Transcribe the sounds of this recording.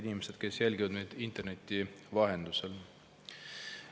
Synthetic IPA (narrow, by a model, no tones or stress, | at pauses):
inʲimese̞d̪̥ke̞sjælʲɡivɑd̪meːd̪̥int̪ˑe̞rne̞t̪ʲːˑivɑɦe̞nd̪̥usel